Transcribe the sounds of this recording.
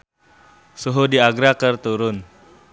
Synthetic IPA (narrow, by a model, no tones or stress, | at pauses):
suɦudiaɡɾakərt̪uɾʊn